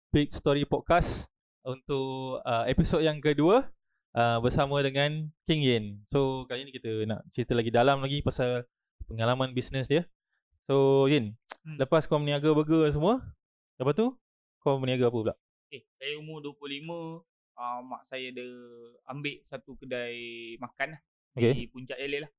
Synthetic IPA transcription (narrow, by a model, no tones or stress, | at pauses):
pik̚st̪ɔɾipɔd̚kas | unt̪ʊʔəepisod̚jaŋkəduə | ʔəbərsamə̃dəŋankiŋɛnsokalinikit̪əna̰ʔt͡ʃəɾit̪əlaɡidalamlaɡipasal | pəŋalamãnbisnəsdiə | soiɡɪnləpaskɔmniaɡabəɡəs̬əmuə | dəpaʔ̪t̪ːu | kɔmniaɡaapəbəla̰ʔ | okesajaumuduəplʊhlimə̃ | əmːa̰ʔsajaadəambeʔsat̪ukədajmakanah | okepuɲt͡ʃaʔeləlah